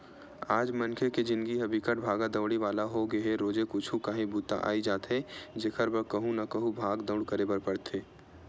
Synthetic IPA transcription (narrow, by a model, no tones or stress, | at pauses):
aːd͡ʒmɐnkʰeked͡ʒɪ̃nd̪ɡiɦɐbʱikəʈ̚bʱaːɡad̪əʋɽiʋaːlaɦoɡɐeɾoːd͡ʒekʊt͡ʃʰũkaɦĩbuːt̪a̰ʔa̰ːid͡ʒaːt̪ɦed͡ʒekʰəɾbəkɐɦũnɐkɐɦũbʱaːɡd̪ɐ̃ʊɽkəɾebəɾpəɽt̪ʰeː